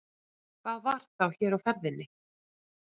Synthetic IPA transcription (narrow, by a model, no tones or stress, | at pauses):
kʰvaːðvaɾ̥t̪θawçɛːɾawfɛɾðɪnːɪ